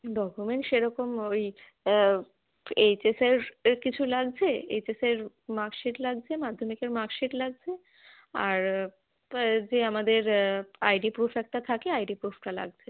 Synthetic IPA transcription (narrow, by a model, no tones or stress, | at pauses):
ɖɔkumeɳʈʃeɾɔkomoj | et͡ɕeseɾkit͡ɕʰulaɡd͡ʑʰeḛjt͡ɕeseɾ | makʃiʈlaɡ̚d͡ʑʰemad̪ʱːomikeɾmakʃiʈlaɡ̚t͡ɕʰe | a̰ɾ | d͡ʑeamad̪eɾajɖipɾupʰɛk̚ʈat̪ʰakeajɖipɾufʰʈala̰ɡ̚t͡ɕʰe